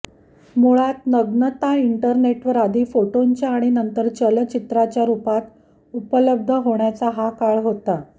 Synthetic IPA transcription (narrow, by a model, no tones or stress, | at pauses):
muɭat̪nəɡnət̪aiɳʈəɾneʈʋəɾad̪ʱiːfoʈoɲt͡ɕjaːɽ̃inənt̪əɾt͡ɕəlt͡ɕit̪ɾat͡ɕjaɾupat̪ | upələb̚d̪ʱəɦoɳjat͡saɦakaɭɦot̪a